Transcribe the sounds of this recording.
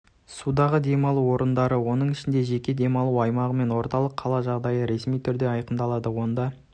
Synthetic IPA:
sud̪ɑʁəd̪e̞mɑlˠuwo̞ɾənd̪ɑɾəwo̞nəɴɪʃɪnd̪e̞ʒe̞kʲe̞d̪e̞mɑlˠuɑjmɑʁəme̞nwo̞ɾt̪ɑlˠəqʰːɑlˠɑʒɑʁd̪ɑjəɾe̞smijt̪ʰʏɾd̪e̞ɑjqənd̪ɑlˠɑd̪əwo̞nd̪ɑ

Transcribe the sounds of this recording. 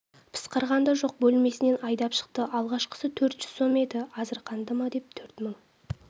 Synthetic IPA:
pʰə̥sqɑɾʁɑnd̪ɑʒo̞q̚bɵlme̞sɪne̞nɑjd̪ɑpʃə̥q̚t̪əʔɑlˠʁɑʃqə̥sət̪ʰɵɾt̪ʒ̥ʏzso̞me̞d̪ɪqʰɑzɪɾqʰɑnd̪əmɑd̪e̞p̚t̪ʰɵɾt̪məŋ

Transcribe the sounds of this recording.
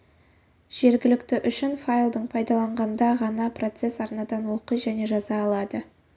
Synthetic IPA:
ʒ̥e̞ɾɡʲɪlɪkt̪ɪʔʏʃɪnfajlˠd̪əɴpʰɑjd̪ɑlˠɑɴʁɑnnd̪ɑʁɑnɑpro̞t̪se̞sɑɾnɑd̪ɑnwo̞qəjʒæne̞ʒɑzɑːlˠɑd̪ə

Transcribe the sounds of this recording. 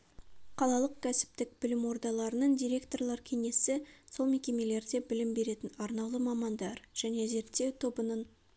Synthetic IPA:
qʰɑlˠɑlˠəqkʲʰæsɪ̥pt̪ɪk̚b̥ɪlɪmwo̞ɾd̪ɑlˠɑɾənəɴd̪ijɾʲe̞kt̪o̞rlˠɑɾkʲʰe̞ŋe̞sɪso̞lˠme̞kʲe̞me̞le̞ɾd̪e̞bɪlɪmbe̞ɾe̞t̪ɪnɑɾnɑwlˠəmɑmɑnd̪ɑɾʒ̥æne̞ze̞ɾt̪ːe̞wt̪ʰo̞bənəɴ

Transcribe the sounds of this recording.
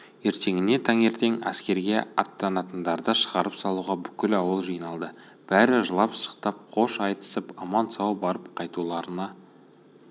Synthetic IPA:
e̞ɾt̪e̞ŋɪne̞t̪ʰɑŋe̞ɾt̪e̞ŋæ̰skʲe̞ɾɡʲe̞ɑt̪ːɑnɑt̪ənd̪ɑɾd̪əʃəʁɑɾəpsɑlˠuʁɑbʏkʲɪlɑwəlˠʒijnɑlˠd̪ə | b̥æɾɪʒəlˠɑpʃə̥qt̪ɑp̚qʰo̞ʃɑjt̪ə̥səpɑmɑnsɑwbɑɾəp̚qʰɑjt̪ulˠɑɾənɑ

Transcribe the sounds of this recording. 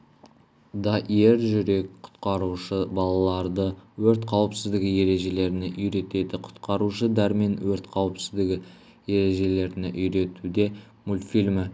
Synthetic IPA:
d̪ɑʔije̞ɾʒʏɾe̞kqʰʊ̥t̪qɑɾuʃəbɑlˠɑlˠɑɾd̪əwɵɾt̪qʰɑwəpsɪzd̪ɪɡʲɪje̞ɾe̞ʒe̞le̞ɾɪnɪʔʏjɾe̞t̪e̞d̪ɪqʰʊ̥t̪qɑɾuʃəd̪æɾme̞nwɵɾt̪qʰɑwəpsɪzd̪ɪɡʲɪ | je̞ɾe̞ʒe̞le̞ɾɪnɪʔʏjɾe̞t̪ud̪e̞ | mulʲt̪filʲmɪ

